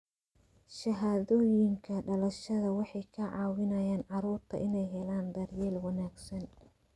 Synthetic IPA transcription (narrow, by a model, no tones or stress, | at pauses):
ʃɐɦaːðɔːjɪŋkʰɐɖɐlɐʃɐðɐwɑħɑjkʰɐʕɑːwɪnɐjaːnʕɑɾuːrt̪ʰɐ̰ʔɪnɛjɦɛlaːnd̪ɐrjɛːlwɑnaːɡsɐn